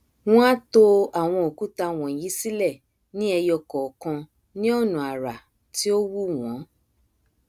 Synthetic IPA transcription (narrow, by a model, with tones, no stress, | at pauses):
w̃ɔ̃˦a˦to˧a˨w̃ɔ̃˧o˨ku˦ta˧w̃ɔ̃˨ji˨˦si˦lɛ˦˨ | nĩ˦ɛ˧jɔ˧kɔ˨kã˧ | nĩ˦o˦˨nũ˨a˨ɾa˨ | ti˦o˦wu˦w̃ɔ̃˨˦